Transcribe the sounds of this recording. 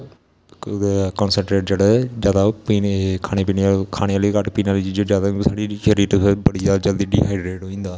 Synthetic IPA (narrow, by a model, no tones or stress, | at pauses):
kɔːnsəɳʈɾeːʈd͡ʒeːɽed͡ʒjaːd̪aːpiːkʰaːñeːpiːneːakʰaːɽ̃eːaːlikəʈpiːnaːliːd͡ʒiːd͡ʒed͡ʒjaːd̪aːsaːɽiːʃəɾiːɾbəɽiːzaːd̪aːd͡ʒəld̪iːɖḭːɦaːiɖɾeːʈoːĩːnd̪aː